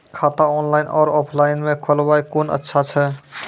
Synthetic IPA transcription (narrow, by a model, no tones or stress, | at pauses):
kʰat̪aɔnlajnɔɾɔpʰlainmẽkʰolbajkonə̰tːʃʰat͡ʃʰɛ